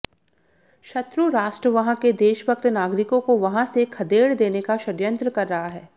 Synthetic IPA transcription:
ʃɐt̪ɾuɾaːʃʈɾəʋɐɦãked̪eːʃəbək̚t̪naːɡɾɪkõkoʋɐɦãsekʰɐd̪eːɽd̪eːnekaʃɐɾjə̃nt̪ɾəkɐɾːɐɦaɦɛː

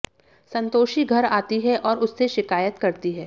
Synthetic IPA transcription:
sɐ̃nt̪oːʃiɡʱɐɾaːt̪iɦɛʔɔːɾʊsːeʃɪkaːjət̪kɐɾt̪iɦɛː

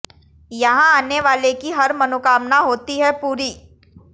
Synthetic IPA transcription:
jɐɦãaːneʋaːlekiɦɐɾmɐnokaːmnaɦoːt̪iɦɛpuːɾiː

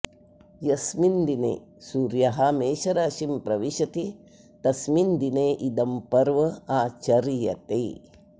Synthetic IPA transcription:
jɐsmind̪inḛːsuːɾjɐɦɐmeːʃɐɾɐːʃimpɾɐʋiʃɐt̪i | t̪ɐsmind̪ineːʔid̪ɐmpɐɾʋɐaːt͡ʃɐɾijɐ̰t̪e

